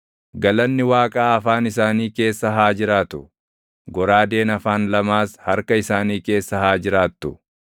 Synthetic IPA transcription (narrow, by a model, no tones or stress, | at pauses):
ɡɐlɐnːɪwaːkʼaːɐfaːnɪsaːniːke̞ːsːɐɦaːd͡ʒɪɾaːt̪ʊ | ɡɔɾaːd̪e̞ːnɐfaːnlɐmaːshɐɾkɐɪsaːniːke̞ːsːɐhaːd͡ʒɪɾaːt̪ːʊ